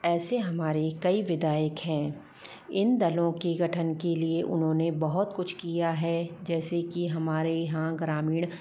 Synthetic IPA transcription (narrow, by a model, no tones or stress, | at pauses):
ɛːseɦɐmaːɾekɐiʋɪd̪aːjəkɦɛ̃ː | ɪnd̪ɐlõkiɡʱɐʈʰənkelieʔʊnɦõːnebɐɦʊt̪kʊt͡ʃʰkijaɦɛd͡ʒɛːsekiɦɐmaːɾeɦãɡɾaːmiːɽ̃